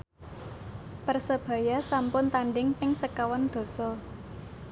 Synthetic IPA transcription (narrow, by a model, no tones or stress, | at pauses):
pərsəb̥ä̤jasampʊnt̪anɖɪŋpɪŋsəkawand̪̥o̤sɔ